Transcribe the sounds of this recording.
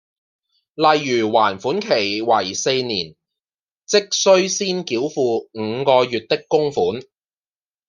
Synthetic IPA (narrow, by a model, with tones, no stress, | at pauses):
lɐ˨jːyː˨˩wa̰ː˨˩nfuː˨˥nkʰe˨˩jwɐ˨˩jse˧jniː˨˩n | t͡sɪ˥k̚sɵ˥ɥsiː˥nkiː˨˥wfuː˧ŋ̩˨˧kɔː˧jyː˨t̚t̪ɪ˥kːʊ˥ŋfuː˨˥n